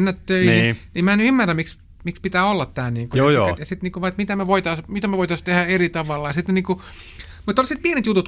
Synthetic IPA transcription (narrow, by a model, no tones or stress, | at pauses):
nːæt̪t̪øininiemmænyymːærːæmmiks | mikspit̪æːolːɑt̪t̪æːniːŋkuojot̪jɑsit̪niːŋkuʋɑiet̪mit̪æmæʋoit̪ɑsmit̪æmæʋoit̪ɑst̪ehæerit̪ɑʋɑlːɑjɑsit̪nniːku | mut̪ːolːsit̪̚pienet̪jut̪ut̪